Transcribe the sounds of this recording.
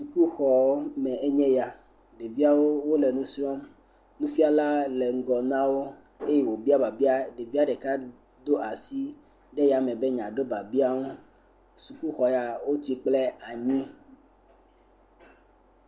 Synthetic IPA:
su˨ku˦xɔ˨˦mɛ̃˨e˦ɲɛ̃˦ja˨ | ɖe˨vi˦a˦wo˦wo˦le˨nũ˦sɾɔ˦m | nũ˦fi˦a˦la˦le˨ŋ̩˦ɡɔ˨nã˦wo˦ | e˦je˦˨wo˨bi˦a˦ba˨bi˦a˦ɖe˨vi˦a˦ɖe˨ka˦ | d̪o˦a˨si˦ | ɖe˦ja˨mɛ̃˨be˦ɲã˨ɖo˦ba˨bi˦a˦wo˦ | su˨ku˦xɔ˨ja˨wo˦t̪u˦i˦k͡ple˦a˨ɲĩ˦

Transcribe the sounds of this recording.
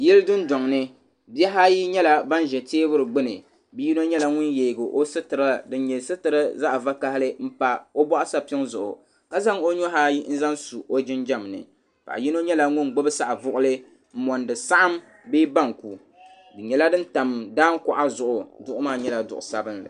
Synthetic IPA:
jɛ˦ldɨ˦n˦dɔ˨ŋnɨ˦ | bi˦ɛ˦ɦa˦ji˦ɲɛ˦la˦ba˦nʒɛ˨teː˦bʊ˦ɾɨ˨ɡ͡bɨ˦nɨ̰˨ | bi˦ji˦no˦ɲɛ˦la˨˦ŋʊ˦nje˨ɡɨ˨ʔo˦sɨ˦tɨ˨ɾdɨ˦n˦ɲɛ˨sɨ˦tɨ˨ɾɨ˦za˦ʔva˦ka˦hlɨ˦m̩˦pa˨o˦bɔ˦ʔa˦sa˦pɪ˦ŋzʊ˨ʔʊ̰˨ | ka˦za˦ŋo˦ɲo˦ɦa˦ji˦n̩˦za˦nsu˨o˦d͡ʒɪ˦nd͡ʒa˦mnɨ̰˨ | pa̰˨ʔji˦no˦ɲɛ˦la˨ŋʊ˦nɡ͡bɨ˦bɨ˦sa˦ʔa˨vʊ˦ʔʊ˦lɨ˦ | m̩˦˨mɔ˨ndɨ˨sa˦ʔa˦m | bi˦ba˦˨ŋku˨ | dɨ˨ɲɛ˨la˦dɨ˦n˦ta˨m˨daː˦n˦kʊ˨ʔa˦zʊ˨ʔʊ˨dʊ˦ʔʊ˦maː˦ɲɛ˦la˨dʊ̰˨ʔʊ˨sa˦bɨ˦nlɨ̰˨

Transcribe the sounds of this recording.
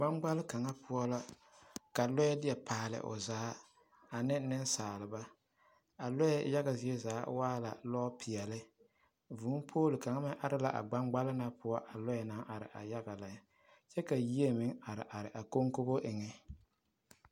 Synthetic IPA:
ɡ͡ba˦ŋɡ͡ba˦lɪ˦ka˨ŋa˦pʰʊ˦ɔ˦la˦ | ka˨lɔ˦jɛ˦dɪ˦ɛ˨paː˨lɪ̰˨ʔʊ̰˨zaː˨˦ | a˨nɪ˦nɪ˦nsaː˨lɪ˨ba˦ | a˨lɔ˦jɛ̰˨ja˦ɡa˨zɪ˨˦ɛ˦zaː˨˦waː˦la̰˨lɔː˦pʰɪ˨ɛ˨lɪ˦ | vuː˨˦mpʰoː˦lɪ˨ka˨ŋa˦mɪ˦ʔa˦ɾɪ˦la̰˦˨ʔa̰˨ɡ͡ba˦ŋ͡mɡ͡ba˦lɪ˦na˦pʊ˦ɔ˦ʔa˨lɔ˦ɛ˨na˨˦ʔa˨ɾɪ̰˨ʔa̰˨ja˦ɡa˨la˨˦ | t͡ʃɛ˦ka˨ji˦e˦mɪ˦ŋa˨ɾɪ̰˨ʔa˨ɾɪ˨ʔa˨ko˦ŋko˦bo˦ʔɪ˨ŋɛ˦

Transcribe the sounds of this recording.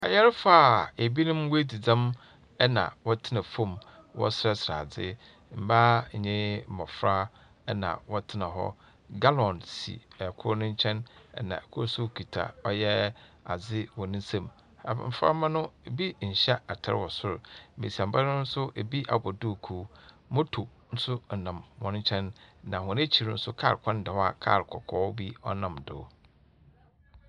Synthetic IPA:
a˨jɛ˦ɾfaː˦˨e˨bi˦nʊ̃˦mwe˦di˨d͡zã˦m | ɛ˦nã̰˨wɔ˦tʰɪ˦nã˨fõ˦˨m | wɔ̰˦sɾɛ˦sɾa̰ː˨d͡zɪ˦ | m̩˨ba˦˨ɲɪ̃˦˨mɔ̃˨fɾa˦ | nã̰˨wɔ˦tʰɪ˦nã˨ɦɔ̰˦ | ɡa˦lɔ̃˨nsḭ˨ɛ˨kʰʊ˦nʊ̃˦ɲ̩˦t͡ɕʰɛ̃˦nɛ̰˨nã̰˨ɛ˨kʰʊ˦sʊ˦kʰi˨tʰa̰˨ɔ˦jɛ˦a˨zɪ˦wɔ˨nɪ̃˦n˦sã˦˨m̰˨ | m̩˨fa̰˦mã˦nʊ̃˦˨bi˦ɲ̩˨ɕɛ˦a˨tʰa̰˨ɾwɔ˨sʊ˦ɾʊ˨mḛ̃˨si˨ã˨m̩˨ba˦ɾʊ̃˦n̩˦sʊ˦ʔe˨bi˦ʔa̰˨bɔ˨du˦˨kʰu˨˦ | mɔ̃˦tʰu˨ | n̩˦sʊ˦n̩˨nã˨mːɔ̃˨ñ˦ɲ̩˦t͡ɕʰɛ̃˦nnã˨hʊ̃˨ne˦t͡ɕʰi˨ɾn̩˦sʊ˦kʰa̰˦˨ɾkʷʰã˦n˦dɛ˨hɔ˦a˨kʰa̰˦˨ɾkʰɔ̰˨kʰɔː˦bi˦ɔ˦nã˨mdʊ̰˨˦

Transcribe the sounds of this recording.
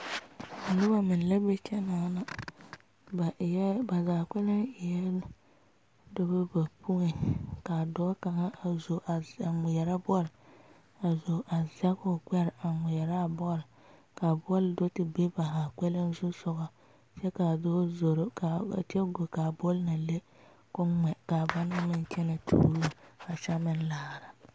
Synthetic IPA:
dʊ˦ba˨mɪ˨n˨le˦be˦t͡ʃɛ˦naː˨˦na˦ | ba˨˦ba˨zaː˨kʷɛ˦lɪ˦ŋɪ˨jjɛ˦ | do˦be˦ba˨pu˦ŋe˨ka˨dɔː˦ka˨ŋa˦a˨zo˨ʔa˨a˨mʊ˨jɛ˨ɾa˦bɔ˦l | a˨zo˨ʔa˨za˦kʊ˨kɛ˦ɾa˨mʊ˨jɛ˨ɾa˦˨bɔ˦lɪ˨ | ka˨bɔ˦ldo˦tɪ˨be˦ba˨ɦa˨kɛ˦lɪ˦n˦zʊ˦sʊ˨ɡɔ˨ | t͡ʃɛ˦ka˨dɔː˦zo˨ɾo˦ka̰˨tɪ˦ɛ˦ɡo˨ka˨bɔ˦lna˨le˦ | kʊ˦ŋ͡mɛ˨ka˨ba˦na˦mɪ˦n˦t͡ʃɛ˦na˨tʰṵː˨ɾu˦˨a˨ʃa˦mɪ˦n˦laː˨ɾa˨

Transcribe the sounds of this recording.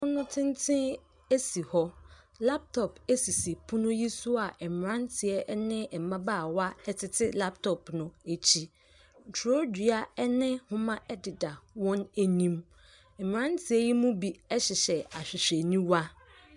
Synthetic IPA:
ʊ̃˦nʊ̃˦tʰɪ̃˦n˦tʰɪ̃˦ | e˦si˨hɔ˦ | la˦p̚tʰɔ˨pe˦si˨si˨pʰʊ̃˦nʊ̃˦ji˦sʊ˦a˨ʔɛ˨m˨ɾã˦ntʰɪ˨ɛ˨ʔnɪ̃˦ɛ˨m˨mã˦baː˦˨wa˦ɛ˦tʰɪ˨tʰɪ˦la˦p̚tʰɔ˨pnʊ̃˨e˨t͡ɕʰi˦˨ | tʰo˦di˨a˨ɛ˦nɪ̃˦hʊ̃˦mã˦ʔɛ˦dɪ˨da˨wɔ̃˦ne˨nĩ˦m | ɛ˨m˨ã˦n˦tʰɪ˨ɛ˦ji˦mũ˦bi˨ɛ˦ɕɪ˨ɕɛ˨a˨ɕᶣɪ˨ɕᶣɛ˨nĩ˦wa˦

